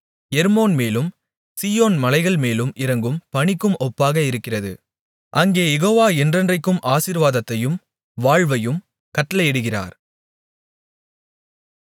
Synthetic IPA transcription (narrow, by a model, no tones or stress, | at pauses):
jɛɾmoːnmeːlɯm | siːoːnmɐlɐɪɣɐɭmeːlɯmɪrɐŋɡɯmpɐɳɪkːɯmɔpːaːɣɐɪɾɯkːɪrɐðɯ̰ | ʔɐŋɡeːjɛɣoːʋaːɛndrɐndrɐɪkːɯmʔaːsiːɾʋaːðɐt̪ːɐjɯm | ʋaːɻʋɐjɯm | kɐʈːɐlɐjɛɽɯɣɪra̰ːɾ